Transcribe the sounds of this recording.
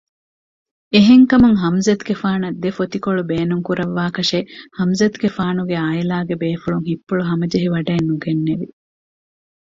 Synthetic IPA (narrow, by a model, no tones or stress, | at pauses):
eɦeŋkɐmuŋɦɐmzɐt̪ɡefaːnɐd̪ːefot̪ikoɭubeːnuŋkuɾɐʋːaːkɐʃehɐmzɐt̪ɡefaːnuɡeaːjelaːɡebeːfuɭuŋɦipːuɭuɦɐmɐd͡ʒɐɦiʋɐɖɐːnːuɡenːeʋi